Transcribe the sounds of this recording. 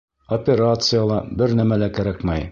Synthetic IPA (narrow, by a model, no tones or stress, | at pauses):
opʲeɾat̪sɨjalˠɑbɘɾnæmælækæɾækmæj